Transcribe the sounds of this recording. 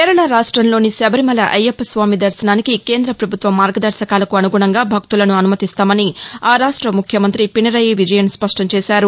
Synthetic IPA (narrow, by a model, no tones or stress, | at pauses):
keːɾɐɭaɾaːʂʈɾɐmlo̞ːnisɛbɐɾimɐlɐʔɐjɐpːɐsʋaːmid̪ɐɾsɐnaːnikike̞ːnd̪ɾɐpɾɐbʱut̪ʋɐmːaːɾɡɐd̪ɐɾsɐkaːlɐkuɐnuɡuɳɐŋɡaːbʱɐk̚t̪ulɐnuɐnumɐt̪ist̪aːmɐniaːɾaːʂʈɾɐmukʰjɐmɐnt̪ɾipiɳɐɾɐjiʋid͡ʒɐjɐnspɐʂʈɐmt͡ʃɛːsaːɾu